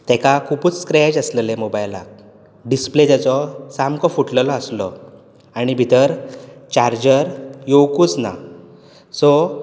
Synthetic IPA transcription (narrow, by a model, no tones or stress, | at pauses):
t̪ɛkakʰupuːt͡sskɾɛd͡ʑəsləlemobajla̰ | ɖisplet̪at͡sɔsamkɔfuʈləlɔəslɔ | aɽ̃ibʱit̪əɾt͡ɕaɾd͡ʑəɾjowkuːt͡sna̰ | sɔ